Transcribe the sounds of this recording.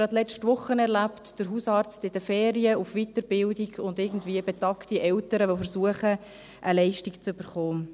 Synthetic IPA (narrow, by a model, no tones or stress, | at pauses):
ɑtlɛt͡ʃtʋʊχːənɛɾlæptd̥əɾɦusɑːɾt͡stɪd̥əfɛːɾiəufʋitəɾbɪldiɡʊndɪɡn̩dviːəbɛtɑktiʔɛltəɾəʋofəɾsuəχə | ʔəlɛɪʃtikt͡søb̥əɾχoːn